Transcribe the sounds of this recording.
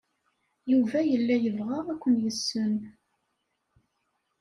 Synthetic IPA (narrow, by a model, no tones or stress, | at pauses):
juvæjəlːæjəvʁæʁækʷːənjəsːən